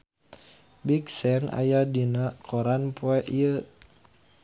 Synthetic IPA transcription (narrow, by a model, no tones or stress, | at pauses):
biksɛna̰jadinakʰoɾanpoɛʔiə